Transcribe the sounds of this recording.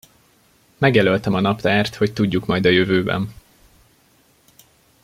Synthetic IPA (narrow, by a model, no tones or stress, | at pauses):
mɛɡjɛlølt̪ɛmɒnɒpt̪aːrt̪ho̞ct̪uɟːukmɒjd̪ɒjøvøːbɛ̰n